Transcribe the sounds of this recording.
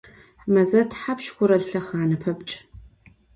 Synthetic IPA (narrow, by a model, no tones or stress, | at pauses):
ħmɐzɐtʰħapʃkʷʊɾɐɮɬɐχʕanɨpʰɐpt͡ʃʼ